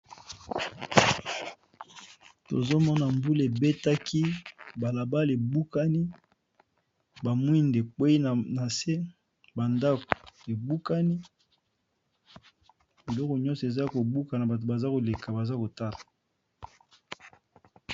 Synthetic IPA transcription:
to̰˨zo˦mɔ˦na˨mbu˦le˨be˦ta˦kʰi˦ba˨la˨ba˦le˨bu˦ka˦ni˦ | ba˨mwi˦nde˨k͡pwe˦i˦n˨na˨se˦ | ba˨nda˦ko̥˨e˨bu˦ka˦ni˦ | bi˨lɔ˦kɔ˨ɲɔ̃˦se˨za˦ko˨bu˦ka˨na˨ba˨to˨ba˨za˦ko˨le˨ka˨ba˨za˦ko˨ta˦la˨

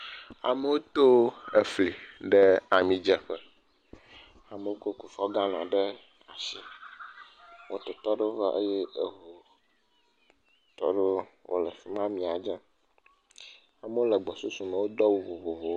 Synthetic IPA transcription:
a̰˨me˦wo˦t̪o˦e˨fli˨ɖɛ˦a˨mĩ˨d͡ʒɛ˨ɸə˦ | a˨me˨wo˦ko˦ku˨fɔ˦ɡa˦nã̰˨ɖe˦ | a̰˨si˦ | wʔo̰˦t̪o˨t̪ɔ˦ɖe˦wo˦va˦ʔe˦jɛ˦e˨βo˨ | t̪ɔ̰˦ɖe˦wʔo̰˦lə˨fi˦mã˦mĩ˨a˨d͡ʒã˦ | a˨me˦wo˦lə˨ɡ͡bɔ˨su˦su˨me˨wo˦d̪ɔ˦wu˨vo˨vo˨vo˨

